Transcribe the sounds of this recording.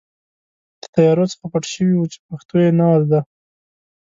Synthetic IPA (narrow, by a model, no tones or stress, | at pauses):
d̪̥ə̥t̪ajɑɾot͡sə̥xapaʈʃəwiwut͡ʃe̥paxt̪ojenald̪a